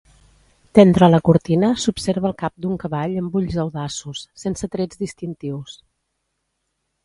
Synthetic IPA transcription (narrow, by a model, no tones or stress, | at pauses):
d̪̥ɛnt̪ɾələkuɾt̪inəsupseɾβəlˠkap̚d̪uŋkəβaʎəmbuʎzəwðasusːensət̪ɾɛd͡zd̪ist̪int̪iws